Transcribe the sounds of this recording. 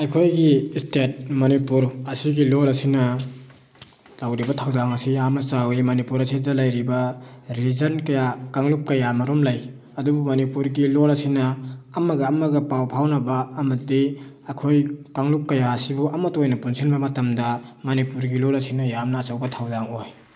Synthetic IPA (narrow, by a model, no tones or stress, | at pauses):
ɐjkʰojɡistet̚mɐnipuɾɐsiɡilolɐsinɐ | lawɾibɐtʰawzaŋɐsijamnɐsawimɐnipuɾɐsidɐlɐjɾibɐɾiizɐnkɐjakaŋlukkɐjamɐɾomlɐj | ɐdubumɐnipuɾɡilolɐsinɐːmɐɡɐːmɐɡɐpawpʰawnɐbɐːmɐtdi | ɐkʰojkaŋluk̚ːɐjaɐsibuɐmɐtojnɐpunsʰinbɐmɐtɐmdɐmɐnipuɾɡilolɐsinɐjamnɐːsɐwbɐtʰawzaŋoj